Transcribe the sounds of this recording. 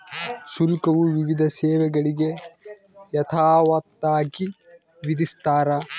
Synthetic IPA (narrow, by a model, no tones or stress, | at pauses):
ʃulkɐʋuʋiʋid̪ʱɐseːʋɛɡɐɭiɡe̞ | jɐt̪ʰaːʋɐt̪ːaːki | ʋid̪ist̪aːɾɐ